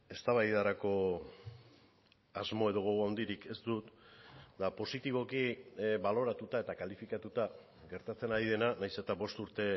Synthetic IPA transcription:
e̞st̪aβajðaɾako̞ | azmo̞e̞ðo̞ɣ̞o̞ɣoawnd̪iɾike̞st̪ut̪d̪apo̞sit̪iβ̞o̞kiβalo̞ɾat̪ut̪ae̞t̪akalifikat̪ut̪a | ɡe̞ɾt̪at͡se̞naɾiðe̞nanajse̞t̪aβo̞st̪uɾt̪e̞

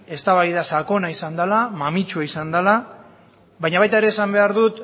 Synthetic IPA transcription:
e̞st̪aβajðasako̞naisand̪alamamit͡ʃuaisand̪ala | βajɲaβajt̪aeɾe̞ːsambe̞aɾðut̪

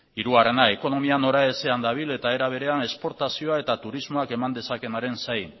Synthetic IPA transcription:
iɾuare̞naeko̞no̞miano̞ɾae̞se̞and̪aβ̞ile̞t̪ae̞ɾaβ̞e̞ɾe̞ane̞spo̞ɾt̪asio̞ae̞t̪at̪uɾizmo̞ake̞mand̪e̞sake̞naɾe̞nsaj

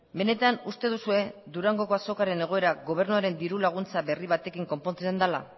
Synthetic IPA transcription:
be̞ne̞t̪anust̪e̞ðusue̞d̪uɾaŋɡo̞ko̞aso̞kaɾe̞ne̞ɣ̞o̞e̞ɾaɣo̞β̞e̞ɾnuaɾe̞nd̪iɾulaɣ̞unt͡saβe̞riβ̞at̪e̞kiŋko̞mpo̞nt͡s̪send̪ala̰

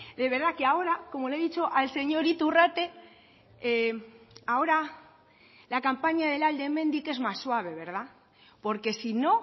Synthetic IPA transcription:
d̪e̞β̞e̞ɾðakeao̞ɾako̞mo̞leðit͡ʃo̞ʔalse̞ɲo̞ɾit̪urat̪e̞ | ao̞ɾa | lakampaɲaðe̞lald̪e̞mẽ̞nd̪ike̞zmasːwaβ̞e̞β̞e̞ɾð̞a | po̞ɾke̞sino̞

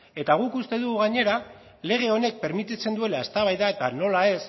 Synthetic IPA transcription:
e̞t̪aɣ̞ukust̪e̞ðuɣuɣaɲe̞ɾa | le̞ɣ̞e̞o̞ne̞k̚pe̞ɾmit̪it͡se̞nd̪ue̞lae̞st̪aβajðae̞t̪ano̞lae̞s

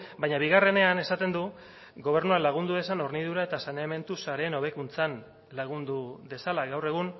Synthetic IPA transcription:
bajɲaβiɣare̞ne̞ane̞sat̪e̞nd̪u | ɡo̞β̞e̞ɾnualaɣ̞und̪uðe̞sano̞ɾniðuɾae̞t̪asaneame̞nt̪usaɾe̞ːno̞βe̞kunt͡san | laɣ̞und̪uðe̞salaɣawre̞ɣ̞un

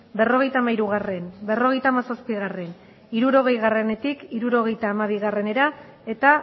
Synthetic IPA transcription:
be̞ro̞ɣ̞e̞jt̪aːmaiɾuɣ̞are̞nbe̞ro̞ɣ̞e̞jt̪aːmasaspiɣare̞n | iɾuɾo̞ɣ̞e̞jɣare̞ne̞t̪ikiɾuɾo̞ɣ̞e̞jt̪aːmaβ̞iɣare̞ne̞ɾa | e̞t̪a

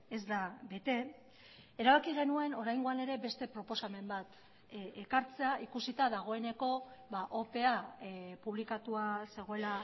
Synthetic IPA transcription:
e̞zd̪abe̞t̪e̞ | eɾaβakiɣ̞e̞nue̞no̞ɾajŋɡoane̞ɾe̞be̞st̪e̞pɾo̞po̞same̞mbat̪ | ekaɾt͡se̞aʔikusit̪aðaɣ̞o̞e̞ne̞ko̞βaʔo̞pe̞apuβ̞likat̪uase̞ɣ̞oe̞la

